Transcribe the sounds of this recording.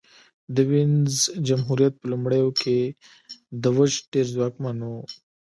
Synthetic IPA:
d̪əwinzd͡ʒɐmɦuɾijɐt̪̚pəlumɽəjokʰe | d̪əwəʃʈeɾzwaːkmano

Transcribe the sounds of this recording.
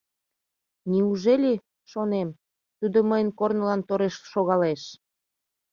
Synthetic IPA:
niuʒelʲi | ʃonem | t̪ud̪oməjənkornəlɑnt̪oɾeʃʃoɣɑleʃ

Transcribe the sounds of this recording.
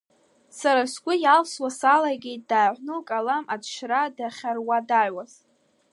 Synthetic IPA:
saɾasɡʷʼʊjalswasalaɡʲe̞jt̚ʼd̥aːʕʷnɨlkʼalamadʃradaχʲarwadaʕwaz

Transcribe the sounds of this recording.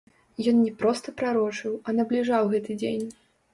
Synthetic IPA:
jɔnnʲɛpɾɔst̪ɐpɾaɾɔt͡ʂɨwɐnɐblʲiʐawɣɛt̪ɨd͡zʲḛnʲ

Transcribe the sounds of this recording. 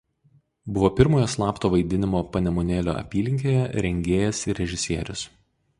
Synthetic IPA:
bʊʋoːpʲɪɾmoːjoːslˠɑːpt̪oːʋɐɪd̪ʲɪnʲɪmoːpɐnʲɛmoːnʲeːlʲo̰ːʔɐ̰pʲiːlʲɪŋʲkʲeːjɛɾʲɛŋʲɡʲeːjɛsɪɾʲɾʲɛʒʲɪsʲiɛɾʲʊs

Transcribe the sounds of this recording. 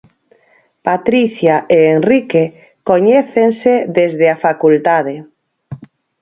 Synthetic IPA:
pat̪ɾiθjaʔeːnrike | koɲɛθenseðezðeafakult̪aðe

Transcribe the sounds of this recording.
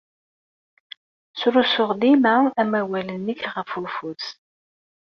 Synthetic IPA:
sɾusʊʁd̪imaæmæwælənːəçʁəfulfuθ

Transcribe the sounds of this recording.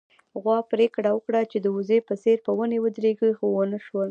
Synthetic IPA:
ɣwɑpɾekɽawəkɽat͡ʃed̪əʊzepəseɾpəwənewəd̪ɾeɡəxowənəʃwəl

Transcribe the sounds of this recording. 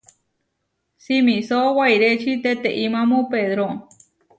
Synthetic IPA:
simĩsowajɾet͡ʃit̪et̪eʔimãmõpeðɾo

